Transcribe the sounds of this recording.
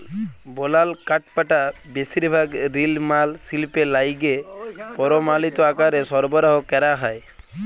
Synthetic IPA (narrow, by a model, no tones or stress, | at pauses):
bɔlalkaʈ̚paʈabesiɾbʱaɡɾilmalsilpelajɡepɔɾɔmalit̪ɔakaɾesɔɾbɔɾaɦɔkɛɾaɦaj